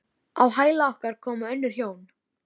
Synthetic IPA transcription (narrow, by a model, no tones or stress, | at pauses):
awɦaːjlaɔhkaɾkʰɔːmaœnːʏɾ̥çjoːwn